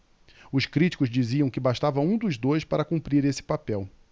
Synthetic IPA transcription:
ʊʃkɾit͡ʃi̥kʊzd͡ʒiziɐ̃w̃kɪbaʃt̪avɐũd̪ʊzd̪ojspaɾɐkũpɾiɾesɪ̥papɛw

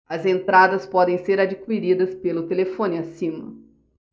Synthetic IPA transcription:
ɐzẽnt̪ɾad̪ɐspɔd̪ẽj̃seɾad͡ʒikuiɾid̪ɐspelʊt̪elefõnɪasĩmɐ

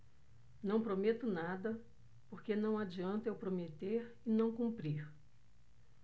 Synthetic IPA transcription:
nɐ̃w̃pɾomet̪ʊnad̪ɐ | poɾkenɐ̃w̃ad͡ʒiɐ̃nt̪ewpɾomet̪eɾ | ɪnɐ̃w̃kũmpɾiɾ

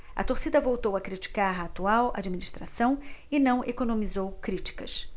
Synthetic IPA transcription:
ɐ̰t̪oɾsid̪ɐvowt̪owɐkɾit͡ʃi̥kaɾaːt̪uawa̰d͡ʒiminiʃt̪ɾasɐ̃w̃ɪnɐ̃w̃ʔekonõmizowkɾit͡ʃi̥kɐs

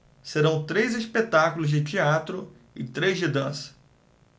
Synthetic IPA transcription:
seɾɐ̃w̃t̪ɾejzispet̪akulʊzd͡ʒɪt͡ʃiat̪ɾʊ | ɪt̪ɾejzd͡ʒɪd̪ɐ̃sɐ̥

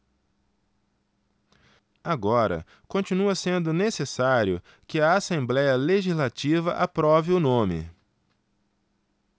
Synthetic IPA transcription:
aɡɔɾɐ̰ | kõt͡ʃinuɐsẽnd̪ʊnesesaɾjʊ | kɪɐasẽmblɛjɐleʒizlat͡ʃivɐʔapɾɔvɪʊnõmɪ̰

